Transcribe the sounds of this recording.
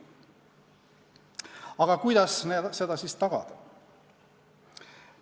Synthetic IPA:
ɑɡ̥ɑkujd̪̥ɑsnese̞d̪̥ɑsist̪ɑɡ̥ɑ̰d̪̥ɑ

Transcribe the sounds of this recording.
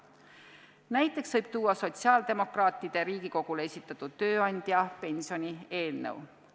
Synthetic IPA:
næjt̪ˑːe̞ksv̥ɤjb̥̚t̪uːwːɑso̞t̪siɑːld̪̥e̞mo̞krɑːt̪ːˑid̪̥e̞ɾiːɡ̥iko̞ɡ̥ulee̞sʲit̪ːˑɑt̪ːˑud̪̥̚t̪ːø̞ːɑnʲd̪̥jɑpe̞nʲsio̞nʲie̞ːlnḛw

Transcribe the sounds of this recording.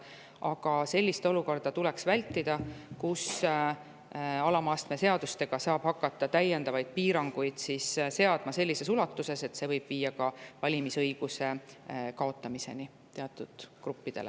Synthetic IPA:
ʔɑɡ̥ɑse̞lʲːist̪o̞luko̞rd̪̥ɑt̪ule̞ksvælʲt̪ːˑid̪̥ɑkus | ɑlɑmɑːst̪me̞se̞ɑd̪̥ust̪e̞ɡ̥ɑsɑːb̥hɑkːˑɑt̪ˑːɑt̪æjːe̞nd̪ɑvɑjd̪̥̚piːɾɑŋɡ̥ujd̪̥sisse̞ɑd̪̥mɑse̞lʲːise̞sulɑt̪ːˑuse̞se̞t̪ːse̞vɤjb̥viːjːɑkɑvɑlʲimisɤjɡ̥use̞kɑo̞t̪ːˑɑmise̞̰ni | t̪e̞ɑt̪ːˑud̪̥krupːid̪̥e̞le

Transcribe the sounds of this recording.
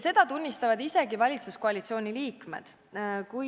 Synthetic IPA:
se̞d̪̥ɑt̪unʲːist̪ɑvɑd̪ise̞ɡivɑlʲit̪suskoɑlʲit̪sio̞ːnʲiliːkme̞̰d̪̥ | kuj

